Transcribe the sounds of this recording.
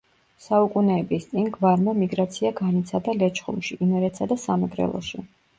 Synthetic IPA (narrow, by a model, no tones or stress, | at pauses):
saukʼunɛːbist̪sʼinɡvaɾmamiɡɾat̪sʰiaɡanit̪sʰad̪alɛt͡ʃʰχṵmʃiʔinɛɾɛt̪sʰad̪asamɛɡɾɛ̰lˠɔ̰ʃi